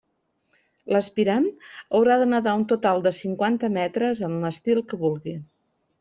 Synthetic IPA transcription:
ləspiɾanəwɾaðənəðaunt̪ut̪alˠd̪əsiŋkwant̪əmɛt̪ɾəzənləst̪ilˠkəβulˠɣi

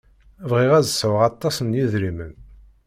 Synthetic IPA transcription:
vʁiʁæzsəwʁɑt̪ˤːɑsənjiðɾimən

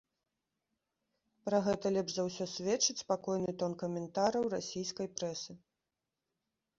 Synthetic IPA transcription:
pɾaɣɛt̪ɐlʲɛbʐzawsʲɔsʲvʲɛt͡ʂɨt͡sʲspakɔjnɨt̪ɔnkɐmʲɛnt̪aɾɐwrasʲijskɐjpɾɛsɨ

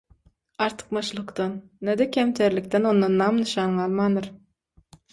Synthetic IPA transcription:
ɑɾt̪ʰɯ̥q̚mɑʃlˠɯqt̪ɑnːæd̪ekʲʰæmt̪ʰeɾlʲik̚t̪eno̞nd̪ɑnːɑmnɯʃɑːnʁɑɑlˠmɑnd̪ɯɾ

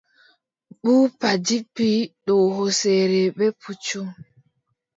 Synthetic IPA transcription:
ɓuːpad͡ʒipːiɗɔɦɔsɛɾɛɓɛput͡ʃːum

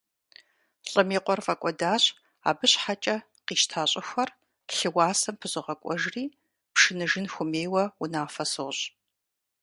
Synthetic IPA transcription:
ɬʼɨmiːqʷɔrfɐkʷʼɔdaːɕ | a̰ːbɨɕħat͡ʃʼɐ | qiːʃtʰaːɕʼɪxʷɐr | ɬɨwaːsɐmpʰɨzɨʁɐkʷʼɔʒriː | pʂɨnɨʒɪnxʷʊmeːwɐunaːfɐsoɕ

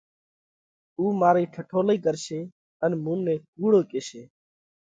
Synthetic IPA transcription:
uːmaːɾiːʈʰəʈʰoːliːkəɾseː | ənmũːnẽːkuːɽoːkeːseː

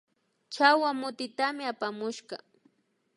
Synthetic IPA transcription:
t͡ʃawamʊt̪ɪt̪amɪapamʊʃɢɑ

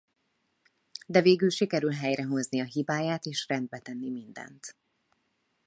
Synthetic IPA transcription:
d̪ɛveːɡylʃikɛɾylɦɛjɾɛɦo̞zniɒɦibaːjaːt̪eːʃrɛnd̪̚bɛt̪ɛnːimind̪ɛ̰nt̪

